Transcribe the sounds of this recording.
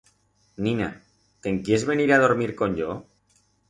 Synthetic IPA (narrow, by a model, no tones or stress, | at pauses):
nĩna̰ | t̪e̞ŋkje̞zβe̞niɾað̞o̞ɾmiɾko̞ɲʝo